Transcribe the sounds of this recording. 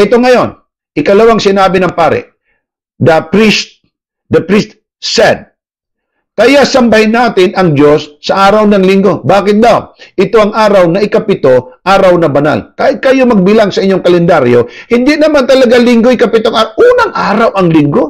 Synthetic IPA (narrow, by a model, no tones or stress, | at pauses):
ʔɪt̪o̞ŋɐjo̞n | ʔɪkɐlɐwaŋsɪnaːbɪnɐŋpaːɾɪ̰ʔ | d̪ɐpɾist̪̚ | d̪ɐpɾist̪̚ | sɛd̪̚ | kɐjasɐmbɐhɪnːaːt̪ɪnɐŋd͡ʒo̞sːɐʔaːɾawnɐŋlɪŋɡo̞baːkɪt̪̚d̪awʔɪt̪o̞ʔɐŋʔaːɾawnɐʔɪkɐpɪt̪o̞ʔaːɾawnɐbɐna̰lkaɪt̪̚kɐjo̞mɐɡ̚bɪlaŋsɐʔɪɲːoŋkɐlɛnd̪aɾjo̞hɪnd̪ɪnɐmant̪ɐlɐɡalɪŋɡo̞ɪkɐpɪt̪oŋaʔuːnɐŋʔaːɾawʔɐŋlɪŋɡo̞